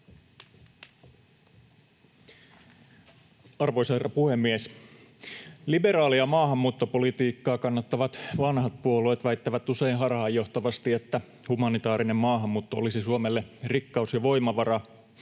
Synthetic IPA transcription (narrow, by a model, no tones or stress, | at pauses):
ɑrʋojsɑerɑpuhemːies | libe̞ɾɑːliɑmɑːɦɑmːuːt̪ːopolit̪iːkːɑːkɑnːɑt̪ːɑʋɑt̪ʋɑnhɑt̪̚puoloːt̪ʋæit̪ːæʋæt̪useinɦɑrhɑːjo̞ht̪ɑʋɑst̪iet̪ːæ | humɑnit̪ɑːɾine̞mmɑːɦɑmːuːt̪ːoolisisuomelːerikːɑusjɑʋo̞jmɑʋɑɾɑ